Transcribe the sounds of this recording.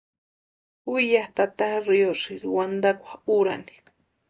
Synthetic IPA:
ujaht̪at̪ahɾioʂiɾwand̪akʷḁuɾa̰ni̥

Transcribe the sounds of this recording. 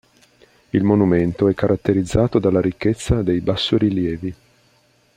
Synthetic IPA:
ilmonument̪oɛkːaɾʔat̪ːeɾid̪zːaːt̪od̪alːaɾikːet̪sːad̪ejbasːoɾiljɛːvi

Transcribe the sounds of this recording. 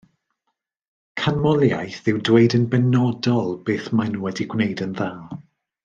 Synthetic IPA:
kʰanmɔlˠjajθɨwdweɨdənbɛnɔdɔlˠb̥eːθmanuwɛdiɡwnejdənðaːlˠ

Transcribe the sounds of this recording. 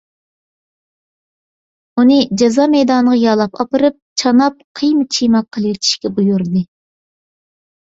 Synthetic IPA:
unɨd͡ʒɑzɑːmɛjd̪ɑːnəʁɑjɑlˠɑpɑpɨɾɨp̚t͡ʃʰɑnɑp̚qʰijmɨt͡ʃʰijmɑqʰːəlˠɨjit̪ʰi̥ʃkʲɛbujuɾd̪ɨ

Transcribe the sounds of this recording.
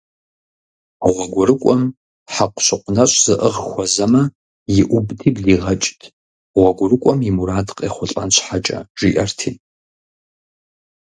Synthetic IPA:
ʁʷɔɡʷʊɾɨkʷʼɔm | ħaqʷʊɕɪqʷnɐɕʼz̥ɨʔəʁxʷɔzɐmɐ | jɪʔʷʊbdiːbɮiːʁɐt͡ʃʼtʰ | ʁʷɔɡʷʊrɨkʷʼɔmjimuɾaːdqʼḛːχʷʊɬʼa̰nɕʷħat͡ʃʼɐ̰ʒ̥iʔɐrtʰiːn

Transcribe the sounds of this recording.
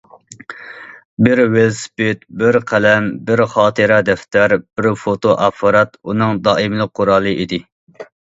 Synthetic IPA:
bɪɾwelspɪt̪bɪɾqʰælɛmbɪɾχɑːt̪ʰɨɾɑd̪ɛft̪æɾb̥ɪɾfot̪ʰoʔɑpʰːɑɾɑt̪unɨŋd̪ɑːɪmlˠəq̚qʰːoɾɑːlˠɨʔid̪ɪ

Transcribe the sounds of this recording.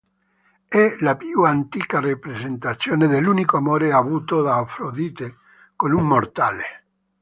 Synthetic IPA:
ɛlapjuant̪iːkarepɾezent̪at̪sːjoːned̪elːunikoamoːɾeavuːt̪od̪aːfɾod̪iːt̪e | konuŋmort̪ale

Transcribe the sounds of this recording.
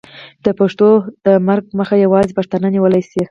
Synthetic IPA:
d̪̥əpaʂt̪od̪̥əmaɾɡ̚məxajawɑzepaʂt̪ananiwəlajsi

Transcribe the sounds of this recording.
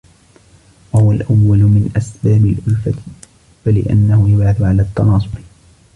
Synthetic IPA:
wahʊwalʔawːalʊmɪnʔasbaːbɪlʔʊlfat̪ɪ | falɪ̰ʔanːahʊjʊbʕaθʊʕalaːt̪ːɑnɑːsˤʊb

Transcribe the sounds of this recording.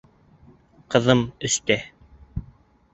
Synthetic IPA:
qɤ̆ðɤmɵ̆st̪æ

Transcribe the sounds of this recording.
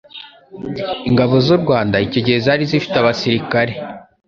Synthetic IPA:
iŋɡaβo̞zuɾɡwaːndaico̞ɟe̞ɾezaɾizifi̥taβasiɾikaɾe̞

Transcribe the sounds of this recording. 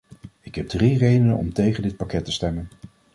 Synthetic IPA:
ɪkɦɛb̚drirejdənənɔ̰mtejχəndɪt̚pakɛtəstɛmən

